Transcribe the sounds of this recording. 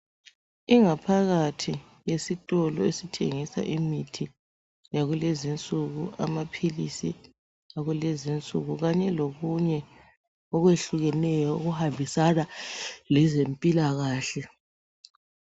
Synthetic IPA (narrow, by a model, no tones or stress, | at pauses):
iŋapʰaɣatʰi | jesitʼɔlɔesitʰeŋisa̰ʔimitʰi | jaɣulezint͡sʼuɣuamapʰilisi | aɣulezint͡sʼuɣuɣaɲɛloɣuɲɛ | ɔɣweɬuɣɛnɛjɔuɣuhambʱisanalɛzempʼilaɣaːɬɛ